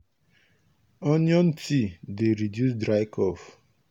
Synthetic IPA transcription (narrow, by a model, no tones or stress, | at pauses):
ɔnjɔ̃ntʰideɾidjus̬dɾaɪkʰɔf